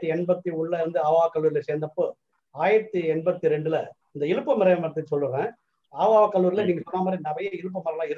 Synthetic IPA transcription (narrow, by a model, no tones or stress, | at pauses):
ɯɛɳbɐt̪ːiʊɳlɐʋɐnd̪ɯaːʋaːʋɐkɐlːuːɾɪlɐseːɾnd̪ɐpːoː | aːjɪɾɐt̪ːɯɛɳbɐt̪ːiɾɛɳɖɯlɐ | ɪnd̪ɐɪɻɯpːɐmɪɾɐjɐ̃mɐɾɐt̪ːɯsɔlːɯɾẽː | aːʋaːʋɐkɐlːuːɾɪlɐniːŋɡɐsɔnːaːmaːd̪ɾinɐbɐjɐɪɻɯp̬ːɐmɐɾɐlãːɪɾɯ